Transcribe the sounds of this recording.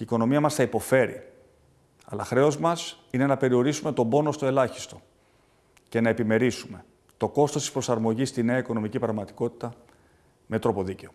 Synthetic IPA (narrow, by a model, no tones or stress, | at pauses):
iːko̞no̞miɐmɐsθɐipo̞fe̞ɾḭ | ɐlɐ̰xɾe̞o̞zmɐsine̞nɐpe̞ɾio̞ɾisume̞t̪o̞bo̞nost̪o̞e̞lɐçi̥st̪o̞ | ce̞nɐe̞pime̞ɾisume̞ | t̪o̞ko̞st̪ost̪i̥spɾo̞sɐɾmo̞ʝist̪ine̞ɐiko̞no̞micipɾɐɣmɐt̪i̥ko̞t̪i̥t̪ɐ | me̞t̪ɾopo̞ðice̞o̞